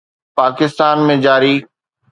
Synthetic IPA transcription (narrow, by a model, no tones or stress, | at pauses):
paːkɪst̪aːnmẽd͡ʑaːɾiː